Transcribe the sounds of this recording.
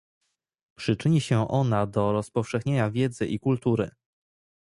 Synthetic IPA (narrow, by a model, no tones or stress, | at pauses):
pʂɘt͡ʂɘɲiɕɛʔɔnad̪ɔɾɔspɔfʂɛxɲeɲavʲjɛd̪zɘʔikult̪uɾɘ